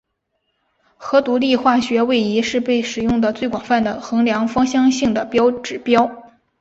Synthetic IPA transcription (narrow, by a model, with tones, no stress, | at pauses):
xɤ˧˥t̪u˧˥li˥˧xwa˥˩ɕɥɛ˧˥we˥˩ɪi˧˥ʂɻ̩˥˧pe˥˩ɪʂɻ̩˨˩jʊ˥˩ŋd̪ə˩t͡swe˥˩ɪkwɑ˨˩ŋfa˥˩nd̪ə˩xɤ˧˥ŋljɑ˧˥ŋfɑ˥ŋɕjɑ˥ŋɕi˥˩ŋd̪ə˩pjɑ˥ʊʈ͡ʂɻ̩˨˩pjɑ˥ʊ